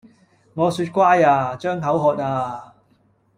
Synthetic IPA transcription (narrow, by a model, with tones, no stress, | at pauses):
ŋɔː˨˧syː˧t̚kʷwaː˥jaː˧t͡ʃœː˥ŋɦɐ˨˥wɦɔː˧t̚aː˧